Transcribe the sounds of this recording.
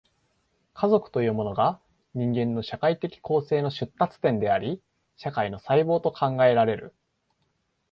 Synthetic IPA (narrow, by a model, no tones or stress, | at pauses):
kʰazo̞kɯ̟̥t̪o̞jɯ̟ːmo̞no̞ɡa | ɲ̟ĩŋɡẽ̞nːo̞ɕakait̪e̞kʲi̥kʰo̞ːse̞ːno̞ɕɨt̪ːat͡sɨ̥t̪ẽ̞nd̪e̞aɾʲi | ɕakaino̞saibo̞ːt̪o̞kʰãŋɡae̞ɾaɾe̞ɾɯ̟̰